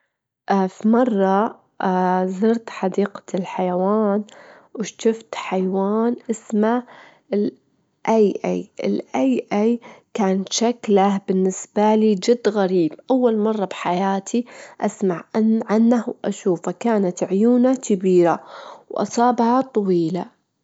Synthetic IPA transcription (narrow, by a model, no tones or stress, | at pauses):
ʔafimɑrˤːɑ | zɨɾt̪ħad̪iːqḁɪlħajawaːn | wɪʃt̪ʊft̪ħajwaːnʔɪsmaʔɪl | ʔajʔajʔɪlʔajʔajkaːnʃaklabɪnːɪsbaliːd͡ʒɪd̪ːɣaɾiːbʔawːalmɑrˤːɑbħajaːt̪ʰiʔasmaʕʔaʕanːahwʔa̰ʃuːfakaːnat̪ʕjuːnakɪbiːɾawʔɑ̰sˤɑːbhɑt̪ˤɑwiːla